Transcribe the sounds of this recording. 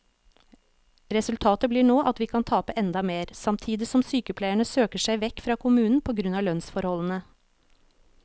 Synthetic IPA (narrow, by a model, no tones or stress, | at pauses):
ɾɛsʉlt̪ʰɑːt̪əbliːɳoːʔɑt̪ʋiːkʰɑnt̪ʰɑːpəʔɛnd̪ɑmeːɾsɑmt̪ʰiːd̪ɪsɔmsyːkəpʰlæɪəɳəsøːkəʂæɪʋɛkfɾɑːkʰʊmʉːnn̩pʰoːɡɾʉnɑːlœnsfɔɾhɔln̩ə